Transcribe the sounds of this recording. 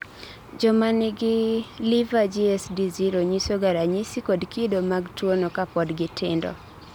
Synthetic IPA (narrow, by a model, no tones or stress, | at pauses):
d͡ʒɔmanɪɡɪlɪvad͡ʒiɛsdiziɾoɲisoɡaɾaɲisikodkidomaɡtwonokapɔdɡɪtʰɪ̰ndɔ̰